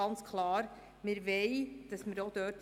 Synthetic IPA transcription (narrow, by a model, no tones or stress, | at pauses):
ɑnt͡skʰlɑːɾ | mɪɾʋɛɪd̥ɑsməɾod̥̪œːt